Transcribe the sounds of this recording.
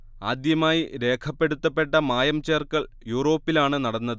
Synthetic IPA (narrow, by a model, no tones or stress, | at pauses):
aːd̪jɐmaːjiɾe̞ːkʰɐpːe̞ɽut̪ːɐpːe̞ʈːɐmaːjɐmt͡ɕeːrkɐɭ | juːro̞ːpːilaːɳɨnɐɽɐnːɐðɨ